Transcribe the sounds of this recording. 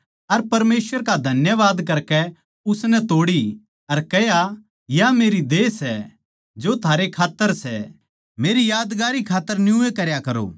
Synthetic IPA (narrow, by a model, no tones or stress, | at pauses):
ɐɾpɐɾmeːsʋəɾkad̪ʱɐnjəʋaːd̪kɐɾkɛ | ʊsnɛt̪oːɽi | ɐɾkɛja | jameːɾid̪eːsɛ | d͡ʒot̪ʰaːɾekʰaːt̪ːəɾsɛ̰ | meːɾijaːd̪ɡaːɾikʰaːt̪ːəɾnjũekɐɾjakɐɾo̰ː